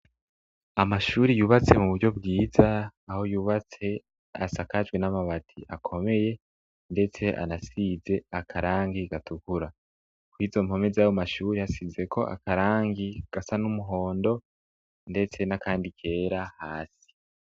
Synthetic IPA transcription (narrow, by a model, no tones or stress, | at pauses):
amaʃuːɾijuːβat͡se̞muβuɾɟo̞bɡiːzaːho̞juːβat͡se̞ | a̰sakad͡ʒɡwe̞namaβatʰiʔakʰo̞me̞je̞ | nde̞t͡se̞ʔa̰nasize̞akʰaɾaːŋɡiɡatukuɾa | kwizo̞m̥ho̞mezajomaʃuːɾijasize̞kʰo̞ʔa̰kaɾaːŋɡiɡ̥asanumuɦo̞ːndo̞ | nde̞t͡se̞nakaːndikʰe̞ːɾahaːsi̥